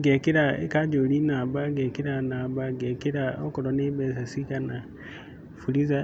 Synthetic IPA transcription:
ɡekiɾaekad͡ʒolinaːbaɡekiɾanabaɡekiɾaokuɾonebes̬asikana | fuliza

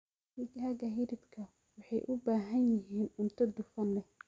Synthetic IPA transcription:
wʊt͡ʃɦaːɡɐɦɪɾɪbkʰɐ | wɑħɑjʔʊbaːɦɐnjɪɦiːnʊnt̪ʰɐd̪ʊfɐnlɛ

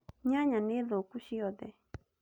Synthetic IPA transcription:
ɲaɲãneðokuʃijɔd̪ɛ

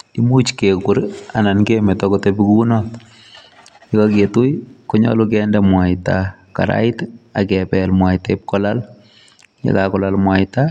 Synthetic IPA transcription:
imut͡ʃkekuɾanankemɛtɔkɔtebikunɔt | ikaketujkɔɲɔ̰lʊk̬ɛndɛmwaɪta | ka̰ɾa̰ɪtakɛpɛlmwaitep̚kɔlal | ja̰kakɔlalmwaɪta

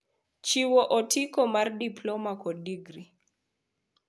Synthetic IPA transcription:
t͡ʃiwɔʔɔtikɔmardiplɔmakɔdiɡri

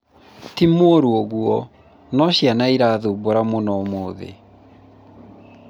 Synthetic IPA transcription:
timwoɾuoɣuɔ | nɔɕjanaiɾaːðoboɾamonɔmoːðḛ

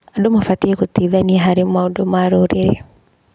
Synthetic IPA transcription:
adomafatiekutiːðaniaɦaɾemaodomaːɾoːɾeɾe

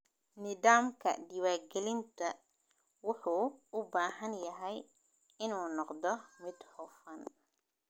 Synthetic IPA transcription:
nɪðaːmkʰɐ̰ɖɪwaːrɡɛlɪnt̪ʰɐ | wʊħuːʊbaːɦɐnjɐɦɛj | ɪnuːnɔqd̪ɔmɪd̪hɔfɐn

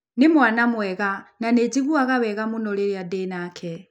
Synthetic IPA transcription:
nimwanamwɛɣananed͡ʒiβuaɣaβɛɣamunɔlɛliadɛnakʰɛ

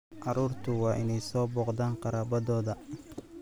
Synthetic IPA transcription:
ʔɑɾuːrt̪ʰʊwɑːʔɪnɛjsɔːbɔːqd̪aːnqɑɾaːbɐðɔːðɐ

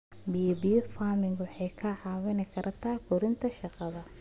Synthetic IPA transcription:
bibifaːmɪŋɡʊħɛjkʰɐʕɑːwɪnɪkʰɐɾʔɐt̪ʰaːkʰʊɾɪnt̪ʰɐʃɑqɑðɐ

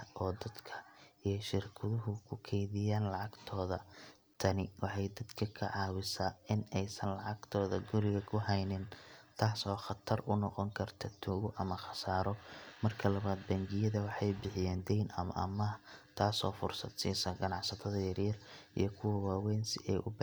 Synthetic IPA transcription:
ɔːd̪ɐd̪kʰɐ̥ijʃɪrkʰɐðʊɦʊkʰʊkʰɛjðɪjaːnlɑʕɑɡt̪ʰɔːðɐ | t̪ʰɐnɪwɑħɑjd̪ɐd̪kʰɐkʰɐ̰ʕɑːwɪsaːɪnɛjsɐnlɑʕɑɡ̥t̪ʰɔːðɐɡʊɾɪɣɐkʰʊɦɛjnɪnt̪ʰaːsɔːχɑt̪ʰɐrʔʊnɔqɔŋkʰɐrt̪ʰɐt̪ʰuːɣʊʔɐmɐxɑ̥saːɾɔmɐrkʰɐlɐβaːd̪bɐŋɡɪjɐðɐwɑħɑjbɪħɪjɛːnd̪ɛjnɐ̰mɐ̰ʔɐ̰mɐt̪ʰaːsɔːfʊrsɐd̪siːsɐɡɐnɑʕsɐt̪ʰɐðɐjɐrjɐrʔḭjɞkʰʊwɐwaːwɛːnsɪɛ̰ʔʊb

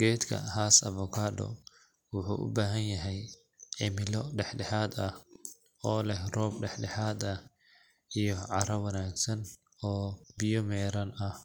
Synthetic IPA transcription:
ɡ̥ɛːt̪kʰɐ̰haːsɐvɔkʰaːdɔ̰ | wʊħṵːʔʊ̰baːɦɐnjɐɦɛj | ʕɪmɪlɔɖɛħɖɛħaːd̪ɐh | ɔːlɛhrɔːb̚ɖɛħɖɛħaːd̪ɐh | ijɔʕɑɾɐwɐnaːɡsɐn | ɔːbɪjɔmɛːɾɐnɐh

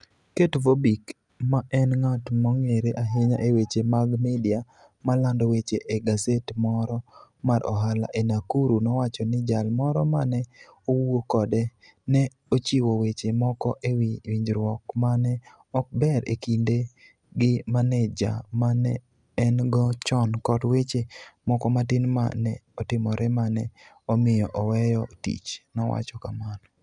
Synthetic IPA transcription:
ketvobik | maʔɛnŋatmɔŋeɾeʔaɦeɲaʔewet͡ʃemaɡmidia | malandɔwet͡ʃeʔeɡasetmɔɾɔmaɾʔɔ̰ɦala̰ʔenakuɾunɔwat͡ʃɔnɪd͡ʒalmɔɾɔmanɛowokɔdɛ | nɛ | ot͡ʃiwowet͡ʃemɔkɔʔewiwiɲd͡ʒɾwɔkmanɛ | ɔk̚bɛɾḛkinde | ɡɪmanɛd͡ʒa̰manɛː | nɡɔt͡ʃɔnkɔtwet͡ʃemɔkɔmatɪnma̰nɛɔtɪmɔɾɛmanɛ | ɔmɪjɔʔɔwɛjɔtḭt͡ʃnɔwa̰t͡ʃɔkamanɔ

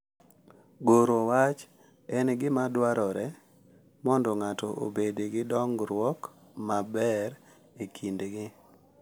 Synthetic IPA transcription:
ɡoɾowat͡ʃ | ɛnɡɪmadwaɾɔɾɛ | mɔndɔŋatɔʔo̰bedeɡɪdɔŋɡɾwɔk | mabɛɾ | ekʰindɡɪ

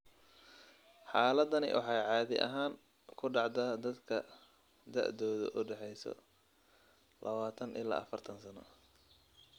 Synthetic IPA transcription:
ħɑːlɐd̪ɐnɪ̰wʔɑ̰ħɑːjʕɑːðɪʔɐ̰ɦaːŋ | kʰʊɖɑʕd̪aːd̪ɐd̪kʰɐ | d̪ɐ̰ʔd̪ɔːðʊ̰ʔʊɖɛħɛjsɔ̰ | lʔɐβaːt̪ʰɐnʔɪ̰la̰ːɐfɐrt̪ʰɐnsɐnɔ̰

